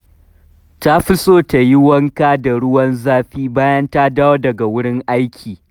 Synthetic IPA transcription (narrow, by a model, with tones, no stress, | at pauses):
ta˦ɸɪ˦sʼoː˦ta˨jɪ˦wɐ˦ŋkaː˦da˨ɽʊ˦wɐ˦nzaː˦ɸiː˦baː˦jɐ˦nta˦daː˦wa˦dɐ˨ɡa˨wʊ˦ɽɪ˦ŋʔa˦jkʲʰiː˨